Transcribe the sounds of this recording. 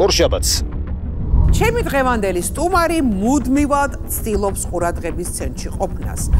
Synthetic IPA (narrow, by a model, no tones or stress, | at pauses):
ɔɾʃabat̪s | t͡ʃʰɛmid̪ʁɛvand̪ɛlist̪ʼumaɾimud̪mivad̪t̪sʰt̪ʼilˠɔpsqʼuɾad̪ʁɛbist̪sʰɛnt̪ʼʃiqʼɔpʰna̰s